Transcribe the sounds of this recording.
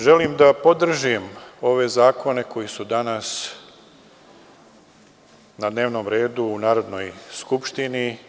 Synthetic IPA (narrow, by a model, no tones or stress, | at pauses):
ʒe̞limd̪apo̞d̪r̩ʒimo̞ʋe̞zaːkʰo̞ne̞ko̞jisud̪anas | nad̪ne̞ːʋno̞mɾe̞ːd̪uːnaːɾo̞d̪no̞jskupʃt̪ini